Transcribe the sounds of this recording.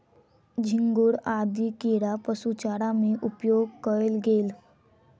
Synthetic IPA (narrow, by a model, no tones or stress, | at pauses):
d͡ʑʱiŋɡuːɽad̪ikiɽapəsut͡ɕaɽamiʔupjoɡ̚kəlɡeːl